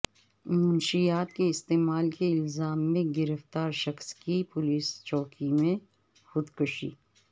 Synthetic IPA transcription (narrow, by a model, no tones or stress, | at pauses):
mʊnʃijaːt̪keɪst̪eːmaːlkeɪlzaːmːẽɡɪɾəft̪aːɾʃɐxskipʊliːst͡ʃɔːkimẽ | xʊd̪kʊʃḭː